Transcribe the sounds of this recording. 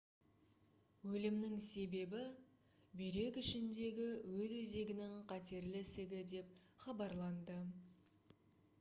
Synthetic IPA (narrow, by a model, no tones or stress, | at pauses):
wɵlɪmnɪŋse̞be̞bɪ | beɾe̞kʲɪʃɪnd̪e̞ɡʲɪwɵzwɵze̞ɡʲɪnɪŋqʰɑt̪e̞ɾlɪsɪɡʲɪd̪e̞p̚χɑbɑɾlˠɑnd̪ə